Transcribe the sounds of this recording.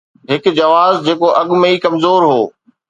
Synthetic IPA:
ɦɪkd͡ʑɐʋaːzd͡ʑeːkoʔɐɠmẽikɐmzoːɾɦoː

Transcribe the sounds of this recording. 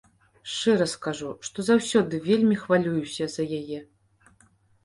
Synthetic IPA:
ʂt͡ʂɛɾɐskaʐuʂt̪ɔzawsʲɔd̪ɨvʲelʲmʲixvalʲujusʲɐzɐjajɛ

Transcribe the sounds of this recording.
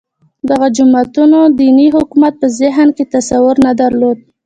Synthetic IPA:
d̪aɣad͡ʒʊmat̪unod̪iniɦʊkumat̪̚pəzɪɦnket̪asawʊɾnad̪aɾlod̪̚

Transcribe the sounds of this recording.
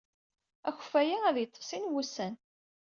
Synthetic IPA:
æç̥fæjiæðjət̪ˤːsˤinwusæn

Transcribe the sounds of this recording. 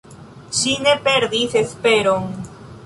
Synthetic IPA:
ʃine̞pe̞ɾd̪ise̞spe̞ɾoŋ

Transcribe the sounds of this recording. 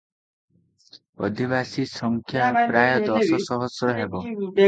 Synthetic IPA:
ɔd̪ʱiβasisɔŋkʰjapɾajɔd̪ɔsɔsɔɦɔsɔɦebɔ

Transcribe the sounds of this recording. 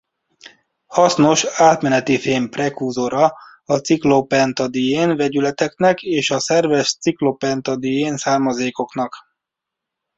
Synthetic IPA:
hɒsno̞ʃaːt̪mɛnɛt̪ifeːmprɛkuːzoɾɒ | ɒt̪siklopɛnt̪ɒd̪ijeːnvɛɟylɛt̪ɛknɛkeːʃɒsɛrvɛʃt̪siklopɛnt̪ɒd̪ijeːnsaːrmɒzeːko̞kn̪ɒk

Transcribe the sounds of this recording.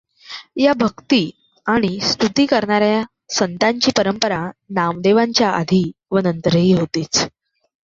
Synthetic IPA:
jabʱəkt̪iː | aɽ̃ist̪ut̪iːkəɾɳaɾja | sənt̪aɲt͡ɕiːpəɾəmpəɾanamd̪eʋaɲt͡ɕjaʔa̰d̪ʱiːʋənənt̪əɾəɦiːɦot̪iːt͡s

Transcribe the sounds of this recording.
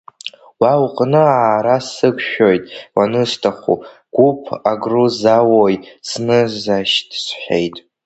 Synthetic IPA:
wawqʼnɨaːɾasɨkʷʰʼʃᶣo̞jtʼwanɨstʰaχṵ | ɡ̥ʷupʰaɡruzawojsnɨzaʃtʰʼsħʷejtʼ

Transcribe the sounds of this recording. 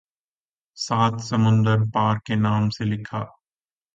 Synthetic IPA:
saːt̪sɐmʊ̃nd̪əɾpaːɾkenaːmselɪkʰaː

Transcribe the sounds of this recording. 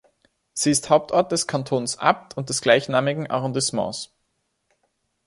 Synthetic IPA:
z̥iːɪsthaʊp̚tʔɔɐt̚d̥ɛskʰantʰoːnsʔa̰p̚tʰʊnt̚d̥ɛsɡ̥laɪçnaːmɪɡŋ̩ʔa̰ʁɔ̃ndɪsmɑ̰̃ːs

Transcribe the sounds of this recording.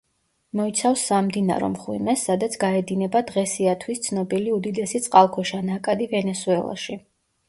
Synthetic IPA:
mɔit̪sʰafsːamd̪ina̰ɾɔ̰mχwḭmɛsːad̪at̪sʰɡaɛd̪inɛbad̪ʁɛsiat̪ʰwist̪sʰnɔbiliud̪id̪ɛsit̪sʼqʼalˠkʰɔʃanakʼad̪ivɛnɛsuɛlˠa̰ʃi

